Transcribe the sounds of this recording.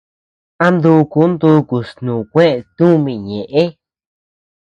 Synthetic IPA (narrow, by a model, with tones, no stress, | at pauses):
a˦nd̪u˧ku˨˦nd̪u˧ku˨snũ˨kʷẽ˦e˧˨t̪ũ˦mĩ˧˨ɲẽ˨ʔe˦